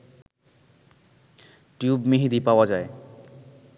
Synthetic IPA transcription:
ʈjubmiɦid̪ipaoad͡ʑae

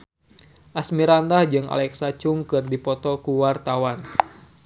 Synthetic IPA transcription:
ʔasmiɾandahd͡ʒɨŋa̰lɛksat͡ʃuŋkɨrdipɔt̪ɔkuwart̪awan

